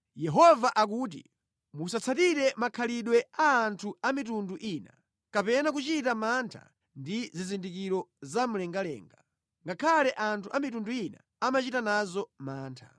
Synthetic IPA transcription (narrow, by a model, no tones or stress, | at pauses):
jɛɦɔvaʔak̬uːt̬ḭ | musat͡sʰatiɾɛmakʰaliɗwɛaːntʰuamitunduʔiːna | kapɛnak̬ut͡ʃitamantʰa̰ | ndizizindikiɾɔzam̩lɛŋɡalɛ̰ːŋɡa | ŋɡakʰalɛʔantʰuamitunduina̰ | amat͡ʃitanazɔmaːntʰḁ̰